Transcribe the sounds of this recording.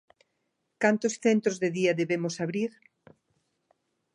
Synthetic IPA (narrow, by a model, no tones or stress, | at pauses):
kant̪osθent̪ɾozðeðiaðeβemosaβɾiɾ